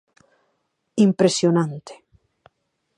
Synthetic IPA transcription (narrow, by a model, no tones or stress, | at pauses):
impɾesjonant̪e̥